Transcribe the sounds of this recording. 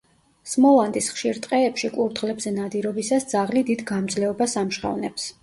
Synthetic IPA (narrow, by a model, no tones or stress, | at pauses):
smɔlˠand̪isχʃiɾt̪ʼqʼɛːpʃikʼuɾt̪ʁlɛbzɛnad̪iɾɔbisasd̪zaʁlid̪id̪ɡamd̪zlɛɔbasamʃχa̰vnɛps